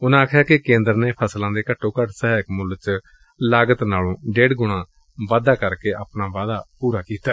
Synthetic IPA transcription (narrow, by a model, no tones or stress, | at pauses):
ʊnãːəkʰjaːkɪkẽːnd̪əɾneːpʰəslãːd̪eːkəʈʰːõːkəʈsəɦaːkmʊlt͡ʃ | laːɡət̪naːlõːɖeːɖɡʊɽ̃ãː | ʋaːd̪aːkəɾkeːʔəpnãːʋaːd̪aːpuːɾaːkiːt̪aː